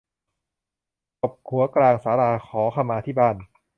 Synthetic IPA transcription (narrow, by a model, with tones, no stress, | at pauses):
ko˨˩p̚kʰu˩˦ɐklaː˧ŋsaː˩˦ɾaː˧kʰɔː˩˦kʰa˧mːaː˧t̪ʰiː˥˩baː˥˩n